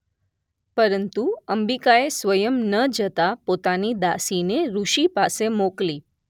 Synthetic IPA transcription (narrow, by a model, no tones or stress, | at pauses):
pəɾənt̪uəmbikaesʋəjəmnəd͡ʒət̪apot̪anid̪asineɾuʃipasemokli